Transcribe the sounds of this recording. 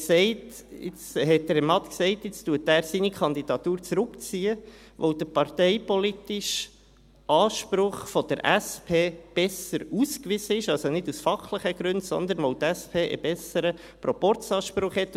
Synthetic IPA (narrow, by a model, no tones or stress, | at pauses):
sɛɪt | ɪ̰t͡shɛt̚ːəɾɛmɑt̪ksɛɪtɪt͡stuətæːɾsinikʰɑnd̪id̥ɑt̪uːɾt͡sɾʊkt͡siːə | ʋowd̥̪əpɑɾtɛɪpɔlitɪʃ | ʔɑːʃpɾʊχfɔd̥əɾʔæspʰeːb̥ɛsəɾuːskʋɪz̥əɪʃɑlsonɪdusfɑχləχəɡ̥ɾʉndsɔ̰nd̪ənʋɔʊtæspʰeːʔə̰b̥ɛsəɾə | pɾɔpɔɾt͡sɑːʃpɾʊχhɛt